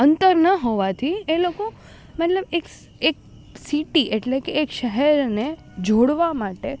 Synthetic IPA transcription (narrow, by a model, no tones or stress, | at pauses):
ənt̪əɾnəɦoʋat̪ʰieloko | mɛt̪ləbek | ek̚ | siʈiʔeʈlekeːkʃəɦɛɾne | d͡ʒʱoɽʋamaʈe